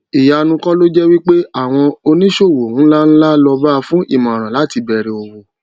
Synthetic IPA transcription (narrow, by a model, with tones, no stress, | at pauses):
i˨ja˨˧nũ˧kɔ˦lo˦d͡ʒɛ˦wi˦k͡pe˦a˦˨w̃ɔ̃˧o˧nĩ˦ʃo˦˨wo˨ũ˨˦la˦n̩˦la˦lɔ˧ba˦˧fũ˦ʔḭ˦˨mã˨ɾ̃ã˨la˨˦ti˧bɛ˨ɾɛ˧o˧˨wo˨